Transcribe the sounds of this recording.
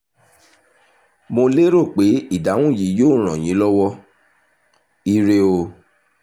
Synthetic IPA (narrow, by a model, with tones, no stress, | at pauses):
mo˧le˦ɾo˦˨k͡pe˨˦i˦˨da˨˦w̃ũ˦˨ji˨˦joː˦˨ɾ̃ã˨j̃ĩ˨˦lɔ˦wɔ˦ | i˧ɾe˧o˧